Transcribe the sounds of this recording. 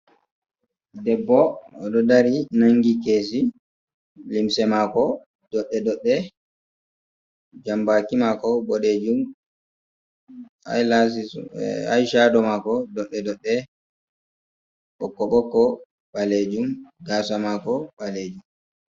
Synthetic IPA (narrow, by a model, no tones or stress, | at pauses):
dɛbːɔɔɗɔdaɾinaŋɡikeːs̬i | limsɛmakɔ | dɔɗːɛdɔɗːɛ | d͡ʒambakimakɔbɔɗed͡ʒum | a̰jlas̬ḭa̰jʃadɔmakɔdɔɗːɛdɔɗːɛ | ɓɔkːɔɓɔkːɔ | ɓaled͡ʒumɡaːsamakɔɓaled͡ʒum